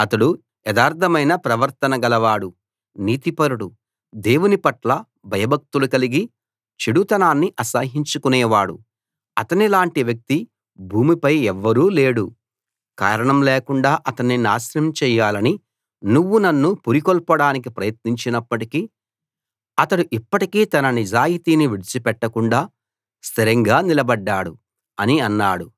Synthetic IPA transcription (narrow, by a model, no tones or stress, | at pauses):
ɐt̪ɐɽu | ɛd̪aːɾt̪ʰɐmɐjnɐpɾɐʋɐɾt̪ɐnɐɡɐlɐʋaːɽu | niːt̪ipɐɾuɽu | d̪e̞ːwunipɐʈlɐ | bʱɐjɐbʱɐk̚t̪ulukɐliɡi | t͡ʃiɽut̪ɐnaːnːiʔɐsaːɦiɲt͡ʃukunɛːʋaːɽu | ɐt̪ɐnilaːɳʈiʋjɐk̚t̪i | bʱuːmipɐjɛʋːɐɾuːleːɽu | kaːɾɐɳɐmleːkuɳɖaːʔɐt̪ɐnːina̰ːsɾɐmt͡ʃɛːjːaːlɐni | nuʋːunɐnːupuɾikɔlpɐɽaːnik̬ipɾɐjɐt̪̚niɲt͡ʃinɐpːɐʈikiː | ɐt̪ɐɽuʔipːɐʈikiːt̪ɐnɐnid͡ʒaːjit̪iːniʋiɽit͡ʃipɛʈːɐkuɳɖaː | st̪ʰiɾɐŋɡaːnilɐbɐɖːaːɽṵ | ɐniɐnːaːɽu